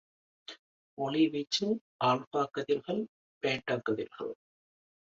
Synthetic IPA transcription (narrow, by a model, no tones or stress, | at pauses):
ɔɭiʋɪt͡ʃːɯ | aːɭpaːkːɐðɪɾɣɐɭ | peːʈːaːkːɐðɪ̰lɣɐ̰ɭ